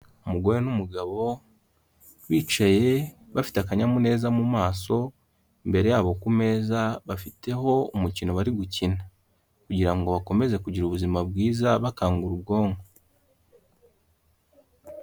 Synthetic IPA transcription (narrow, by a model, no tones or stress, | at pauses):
umuɡo̞ɾenumuɡaβo̞ | wiːt͡ʃaje̞βafi̥takaɲamune̞ːzamumaːso̞ | mbe̞ɾe̞jaːβo̞kume̞ːzaβafite̞ɦo̞umucino̞βaɾiɡucina | kuɟiɾaŋɡo̞βako̞me̞ze̞kuɟiɾuβuzimabɡiːzaβakaːŋɡuɾubɡo̞ːŋɡo